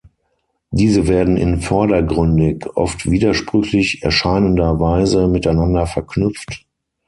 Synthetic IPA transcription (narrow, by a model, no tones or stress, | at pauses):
diːzəveːɐdn̩ɪ̰nfɔɐdɐɡʁʏndɪkʔɔ̰ftv̥iːdɐʃpʁ̥ʏçlɪçɛɐʃaɪnəndɐvaɪzəmɪtaɪnandɐfɛɐknʏp͡ft